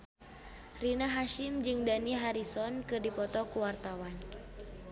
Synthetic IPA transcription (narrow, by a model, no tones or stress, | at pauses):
rinaɦaʃimd͡ʒɨŋdaniɦaɾisɔnkɨrdipɔt̪ɔkuwart̪awan